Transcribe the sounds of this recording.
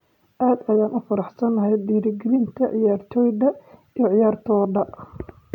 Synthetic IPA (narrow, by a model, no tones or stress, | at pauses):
ʔaːd̪ɐjaːnʔʊfɐɾɑħsɐnɐɦɛjd̪iːɾɡɛlɪnt̪ʰɐʕɪjaːrt̪ʰɔːjd̪ɐijɞʕɪjaːrt̪ʰɔːɖɐ